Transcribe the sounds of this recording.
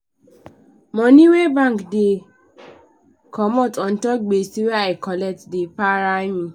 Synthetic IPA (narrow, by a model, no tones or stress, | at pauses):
mɔ̃nĩwebãkde | kɔmɔ̃tɔ̃n̩tɔɡ͡besiweaikɔlɛtdepaɾajĩ